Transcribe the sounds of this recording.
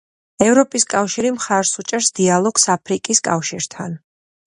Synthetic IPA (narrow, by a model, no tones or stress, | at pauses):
ɛvɾɔpʼiskʼafʃiɾimχaɾsut͡ʃʼɛɾsd̪ialˠɔɡsapʰɾikʼiskʼafʃiɾt̪ʰa̰n